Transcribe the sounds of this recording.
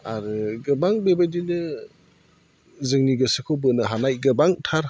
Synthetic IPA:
aɾɯɡɯbaŋbebajdinɯ | zɯŋniɡɯsɯkʰɯwbɯnɯɦanajɡɯbaŋtʰaɾ

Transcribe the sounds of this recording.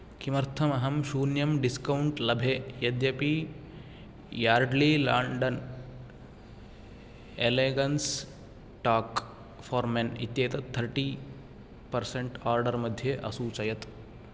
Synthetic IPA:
kimɐɾt̪ʰɐmɐɦɐmʃuːnjɐmɖiskɐwuɳʈlɐbʱeːjɐd̪jɐpi | jaːɾɖlilaːɳɖɐn | eleːɡɐns | ʈaːk | fɐːɾmenḭt̪jeːt̪ɐt̪ʰːɐɾʈiː | pɐɾseɳʈaːɾɖɐɾmɐd̪ʱjeʔɐ̰suːt͡ʃɐjɐt̪

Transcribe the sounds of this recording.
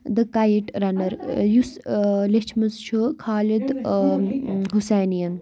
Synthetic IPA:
d̪ɨkɐjiʈɾɐnɐɾjuslet͡ʃʰmɐst͡ʃʰukʰaːlid̪ | ɦuseːnijɐn

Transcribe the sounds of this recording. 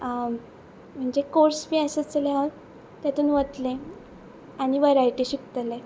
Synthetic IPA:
m̤əɳd͡zekoɾsbiəsət͡səlẽaɦt̪ː | jat̪uːnʋət̪lẽ | aɽ̃iʋəɾajʈiɕikt̪əlẽ

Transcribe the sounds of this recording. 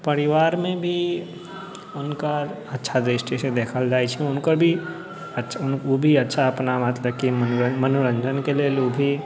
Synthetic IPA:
pəɾɪʋaːɾmẽbʱi | ʊnka | ɐtːʃʰad̪ɾɪsʈised̪eːkʰəld͡ʒaːit͡ʃʰɛʊnkəɾbʱi | ətːʃʊnobʱiɐtːʃʰaɐpnamət̪ləb̚kimənɾəmənoɾə̃nd͡ʒənkeleːlobʱi

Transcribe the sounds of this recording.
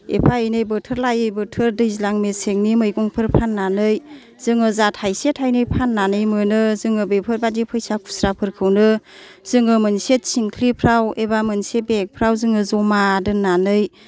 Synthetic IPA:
ḛpʰaɯjnɯjbɯtʰɯɾlajɯjbɯtʰɯɾdɯjzilaŋmeseŋnimɯjɡɔŋpʰɯɾpʰanːanɯj | z̥ɯŋɯzathajsetʰajnɯjpʰanːanɯjmɯnɯzɯŋɯbepʰɯɾbadipʰɯjsakʰu̥sɾapʰɯɾkʰɯwnɯ | z̥ɯŋɯmɯnset̚siŋkʰlipʰɾawebamɯnsebek̚pʰɾawzɯŋɯzɔmadɯnːanɯj

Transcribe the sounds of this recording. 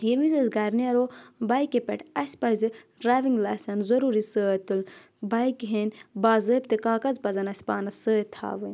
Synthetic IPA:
jemizɐzɡɐɾniɐɾoːbɐjkepeʈɐsʲpɐzɨ | ɖɾaːʋiŋɡlaːsʲɐnzɐɾuːɾisəːt̪ɨl | bɐjkɦenbaːzəːp̚t̪ɨkaːkɐzpɐzɐnɐsʲpaːnɐsəːt̪ʰa̰ːʋɨnʲ

